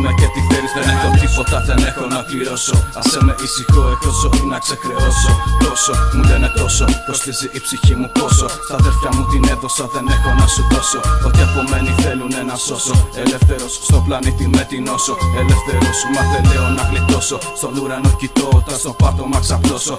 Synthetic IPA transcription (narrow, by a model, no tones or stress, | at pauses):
necet̪iθeliθenet̪ot̪ifot̪ɐðenexonɐt̪iɾosoɐsemeʔisixoet̪osonɐksekɾeosot̪o̞somulenet̪o̞sopɾost̪iziʔipsiçimut̪o̞so̞ | θɐðelfjɐmut̪ineðo̞sɐðenexo̞nɐsut̪o̞soot̪iɐkomeniθe̞lunenɐso̞soelefθeɾosst̪oplɐnit̪imet̪ino̞soelefθeɾosmɐðeleonɐɣlit̪o̞so̞st̪onuɾɐnocit̪o̞ot̪ɐst̪opɐt̪omɐksɐploso